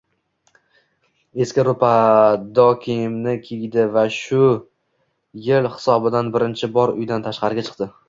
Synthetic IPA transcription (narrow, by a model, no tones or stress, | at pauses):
e̞skʲɪɾʊpʰad̪ɒkʲʰijmnɪkʲʰiɡʲd̪ɪvaʃʊ | jɪlhɪ̥sɒbɪd̪anbɪɾɪnt͡ʃʰɪbɒɾʊ̰jd̪ant̪ʰaʃqɑɾɪɡʲat͡ʃʰɨ̥q̚d̪ɪ